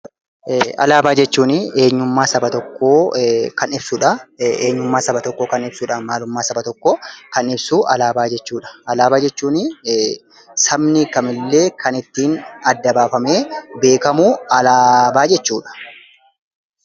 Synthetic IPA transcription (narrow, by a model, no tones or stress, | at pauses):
ɐ̰laːbaːd͡ʒɛt͡ʃːuːnɪeːɲːʊmːaːsɐbɐt̪ɔkːoːkɐnɪbsʊᶑɐeːɲːʊmːaːsɐbɐt̪ɔkːokɐnɪbsuːᶑaːmaːlʊmːaːsɐbɐt̪ɔkːɔkɐnɪbsuːʔɐlaːbaːd͡ʒɛt͡ʃːuːᶑɐ̥ʔɐlaːbaːd͡ʒɛt͡ʃːuːnɪ | sɐbnikɐmɪlːe̞ːkʰɐnɪt̪ːiːnɐd̪ːɐbaːfɐme̞ːbe̞ːkɐmuːɐlaːbaːd͡ʒɛt͡ʃːuːᶑɐ̥